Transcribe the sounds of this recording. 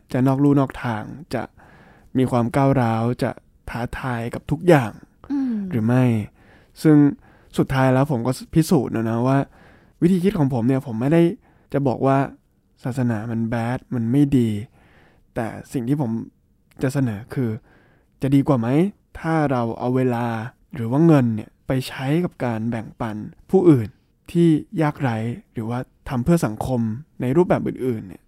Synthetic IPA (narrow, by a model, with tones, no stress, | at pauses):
t͡ɕa˨˩nɔː˥˩k̚ɾuː˥˩nɔː˥˩k̚t̪ʰaː˧ŋt͡ɕa̰˨˩ʔ | miː˧kʰwaː˧mkaː˥˩wɾaː˦˥wt͡ɕa̰˨˩ | t̪ʰaː˦˥t̪ʰaː˧jka˨˩p̚t̪ʰu˦˥k̚jaː˨˩ŋ | ɾɯː˩˦ma˥˩j | sɯ˥˩ŋ | su˨˩t̪ʰːaː˦˥jlɛː˦˥wpʰo˩˦mkɔː˥˩pʰi˦˥suː˨˩t̪̚nʔa˧˩na˦˥waː˥˩ | wt̪ʰiː˧i˦˥kʰɔː˩˦ŋpʰo˩˦mni˥˩ɐpʰo˩˦mːa˥˩jda˥˩j | t͡ɕa˨˩bɔ̰ː˨˩k̚waː˥˩ | saː˨˩t̪̚sa˧naː˩˦ma˧nbɛː˦˥t̪̚ma˧nma˥˩jdiː˧ | t̪ɛ̰ː˨˩si˨˩ŋt̪ʰiː˥˩pʰo˩˦m | t͡ɕa˨˩ʔsa˧nɤː˩˦kʰɯː˧ | t͡ɕa˨˩ʔdiː˧kwaː˨˩ma˦˥j | t̪ʰaː˥˩ɾa˧wʔa̰˧wːeː˧laː˧ | ɾɯː˩˦waː˥˩ŋɤ˧nːi˧˥˩ɐpa˧jt͡ɕʰa˦˥jka˨˩p̚kaː˧nbɛ˨˩ŋpa˧npʰuː˥˩ʔɯː˨˩n | t̪ʰiː˥˩jaː˥˩k̚ɾa˦˥jɾɯː˩˦waː˥˩t̪ʰa˧mpʰɯ˥˩ɐsa˩˦ŋkʰo˧mna˧jɾuː˥˩p̚bɛː˨˩p̚ɯ̰ː˨˩nʔɯː˨˩nːḭ˦˥˩ɐ